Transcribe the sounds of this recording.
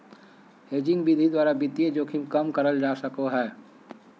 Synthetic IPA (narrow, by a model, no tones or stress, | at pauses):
ɦeːd͡ʒɪ̃ŋɡbid̪ʱid̪waːɾabɪt̪ijed͡ʒoːkʰimkəmkəɾəld͡ʒaːsəkoɦɛː